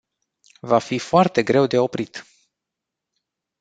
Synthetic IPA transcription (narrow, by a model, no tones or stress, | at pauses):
vafifoart̪e̞ɡɾe̞wd̪e̞o̞pɾit̪